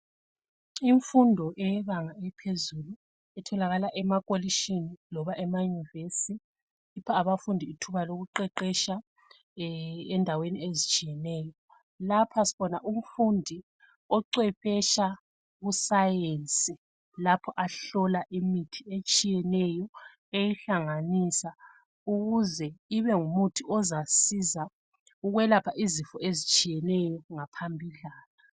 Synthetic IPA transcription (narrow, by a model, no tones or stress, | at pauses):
iɱfundʱɔʔɛjɛβaŋaɛpʰezulu | ɛtʰɔlaɣalaʔɛmakʼoliʃinilɔβaʔɛmajunivesiː | pʰaːβafundʱiːtʰuβaloɣuǃɛǃɛʃa | ɛndʱaweniezit͡ʃʼijɛnɛːjɔ | lapʰasi̥βɔnaʔum̩fundʱi | ɔǀɛpɛʃa | ɣusajent͡sʼi | lapʰɔʔaɬɔlaʔimitʰiet͡ʃʼijɛnɛjɔ | ejiɬaŋanisa | uɣuzɛiβɛŋumutʰiʔɔzasiza | uɣwɛlapʰaʔizifɔezit͡ʃʼijɛnɛjɔŋapʰambʱiɮaːna